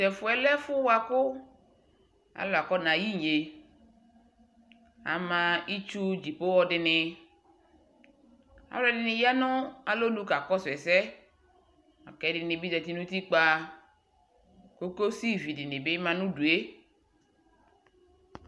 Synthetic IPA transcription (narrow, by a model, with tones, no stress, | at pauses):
tɛ˨fʊ˨ɛ˨lɛ˦fʊ˦wa˨kʊ˦ | a̰˨lo˨a˨kɔ˦nã˨ji˦ɲe˨ | a̰˨mã˨i˦t͡ʃu˦d͡ʒi˨po˦wɔ˦dɪ˨nɪ˨ | a̰˨wla˦˨dɪ˨nɪ̃˨ja˦nʊ̃˦a˨lo˦lu˦ka˨kɔ˦sɛ˨sɛ˦ | a˨kɛ˨˦dɪ˨nɪ̃˨bi˦dɛ˨t̪i˦nũ˦t̪i˦k͡pa˦ | ko˦ko˦si˦vi˨dɪ˨nɪ̃˨bɪ˦mã˨nũ˦du˨e˦